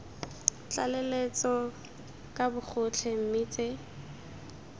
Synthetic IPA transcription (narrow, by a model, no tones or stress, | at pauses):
t͡ɬʼa̰lelet͡sɔ | kʼabʊk͡xʰʊt͡ɬʰem̩miːt͡sʼe